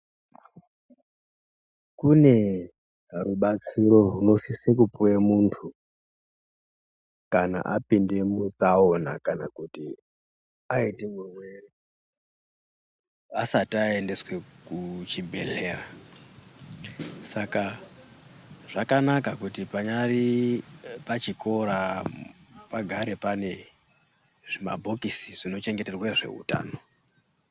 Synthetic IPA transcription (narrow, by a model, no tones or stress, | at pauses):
kune | ruɓat͡siɾo̞runo̞sisekupuemuntʰu | kana̰ʔapindemut͡saona̰kana̰kuti | aitimumweri | asataende̞swe̞kut͡ʃibʱe̞̰ɮe̞ːra | saka | ʐ̥akanakakutipaɲari | pat͡ʃiko̞ɾa | paɡʱaɾe̞pane̞ | ʐima̰bʱo̞kisiʐino̞t͡ʃe̞ŋɡe̞te̞rweʐe̞̰ɦṵta̰ːno